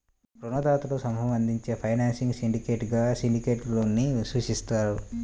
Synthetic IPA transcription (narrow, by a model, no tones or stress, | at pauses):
pɾunɐd̪aːt̪ulusɐmɦɐmɐnd̪ʱiɲt͡ʃeːpʰɐjnaːnsiŋɡsiɳɖike̞ːʈɡaːsiɳɖikeːʈloːnːisuʃist̪aːɾu